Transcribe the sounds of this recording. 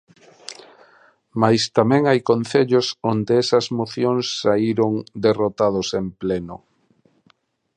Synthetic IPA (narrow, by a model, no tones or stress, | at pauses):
majst̪amɛ̃ŋajkonθeʎosond̪eɛsɐzmoθjoŋsːaiɾoŋd̪erot̪aðosemplenʊ